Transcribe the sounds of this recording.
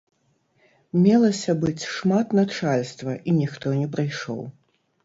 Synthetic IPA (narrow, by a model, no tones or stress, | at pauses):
mʲɛlˠɐsʲɐbɨt͡sʲʂmat̪nat͡ʂalʲst̪vɐʔinʲixt̪ɔnʲɛpɾajʂɔ̰w